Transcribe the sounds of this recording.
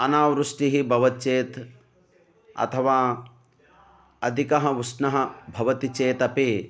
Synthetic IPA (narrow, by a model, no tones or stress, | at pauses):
ɐnaːʋɾusʈiɦibʱɐʋɐt̪̚t͡ʃeːt̪ | ɐ̰t̪ʰɐʋaː | ɐd̪ʱikɐɦɐʋusnɐɦɐbʱɐʋɐt̪it͡ʃeːt̪ɐpeː